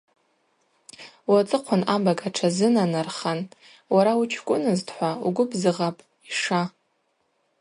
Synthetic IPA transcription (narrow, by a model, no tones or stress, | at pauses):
wat͡sʼɨqʷʰʊnabaɡʼaʈ͡ʂʰazɨnanarχan | waɾaut͡ʃʰkʷʼʊnɨztʰʼħʷaṵɡʷʊbzɨʁapʼ | iʂa